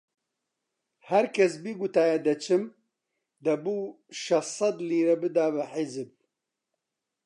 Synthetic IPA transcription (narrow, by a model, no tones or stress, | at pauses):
hæɾkʰɛsbiːɡut̪aːjɛd̪ɐt͡ʃʰɨm | d̪ɐbuː | ʃɐsˤɐd̪liːɾɛbɨd̪aːbɨħizɨb̚